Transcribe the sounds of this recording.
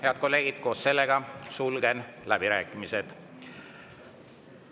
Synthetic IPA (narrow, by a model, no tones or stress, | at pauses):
heɑd̪̚ko̞lːe̞ːɡ̥id̪̥̚ko̞ːsse̞lːe̞ɡ̥ɑsulɡ̥e̞nlæb̥iɾæːkˑːimised̪̥